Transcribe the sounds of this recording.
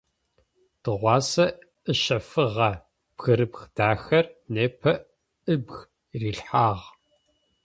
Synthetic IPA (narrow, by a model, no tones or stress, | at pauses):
d̥ɨʁʷɑːsɐ | ɨʃɐfɨʁɐ | b̥xɨɾɨpxd̥aːxɐrneːpʰɐ | ɨbɣ | riːɬħaːʁ